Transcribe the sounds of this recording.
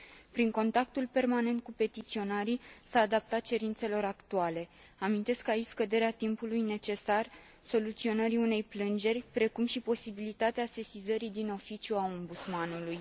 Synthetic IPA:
pɾiŋko̞nt̪ak̚t̪ulpe̞rmane̞nt̪̚kupe̞t̪it̪sio̞naɾisaːd̪ap̚t̪at̪̚t͡ʃe̞ɾint̪se̞lo̞ɾakt̪uale̞ | amint̪e̞skait͡ʃʲskəd̪e̞ɾeat̪impulujne̞t͡ʃe̞sar | so̞lut̪sio̞nəɾiune̞jplɨnd͡ʒe̞rʲpɾe̞kumʃipo̞sibilit̪at̪ease̞sizəɾid̪ino̞fit͡ʃʲjuao̞mbut̪smanuluj

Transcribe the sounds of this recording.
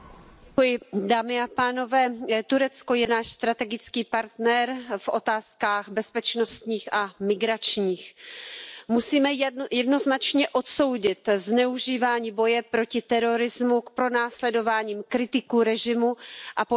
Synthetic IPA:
ujɪdaːmɪapaːno̞vɛːt̪uɾɛt͡sko̞jɛnaːʃst̪ɾat̪ɛɡɪt͡skiːpaɾt̪nɛɾfʔo̞t̪aːskaːxbɛspɛt͡ʃno̞st̪ɲiːxʔamɪɡɾat͡ʃɲiːx | musiːmɛjɛdno̞znat͡ʃɲɛʔo̞t̪so̞wɟɪt̪znɛuʒiːvaːɲiːbo̞jɛpɾo̞cɪt̪ɛɾo̞ɾɪzmuk̚pɾo̞naːslɛdo̞vaːɲiːmkɾɪt̪ɪkuɾɛʒɪmuʔap

